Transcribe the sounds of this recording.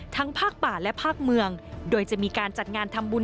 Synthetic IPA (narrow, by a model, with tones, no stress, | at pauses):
t̪ʰa˦˥ŋpʰaː˥˩k̚paː˨˩lɛ˦˥pʰaː˥˩k̚mɯ˧əŋdoː˧jt͡ɕa˨˩miː˧kaː˧nt͡ɕa˨˩t̪̚ŋaː˧nt̪ʰa˧mbuː˧n